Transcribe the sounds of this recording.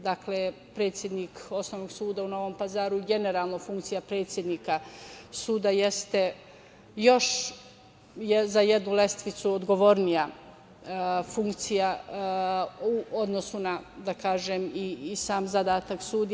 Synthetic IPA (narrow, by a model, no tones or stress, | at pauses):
d̪akle | pɾe̞t̪sʲjed̪niːko̞snoʋnoɡsuːd̪auno̞ʋo̞ːmpazaːɾuɡe̞ne̞ɾaːlˠno̞fuŋkt̪sijapɾe̞ːt̪sje̞d̪niːkasuːd̪aje̞st̪e̞ | jo̞ʃ | jezajed̪nule̞st̪ʋit̪suod̪ɡo̞ʋo̞ɾnija | fuŋkt̪sija | uo̞d̪no̞sunad̪akaːʒemisaːmzad̪aːt̪aksuːd̪